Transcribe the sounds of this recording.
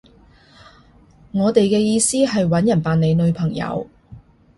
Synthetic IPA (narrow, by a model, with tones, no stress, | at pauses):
ŋɔː˨˧t̪e˨jkɛː˧jiː˧siː˥ɦɐ˨jwɐ˨˥njɐ˨˩npaː˨ne˨˧jnɵ˨˧ɥpʰɐ˨˩ŋjɐ̰˨˧w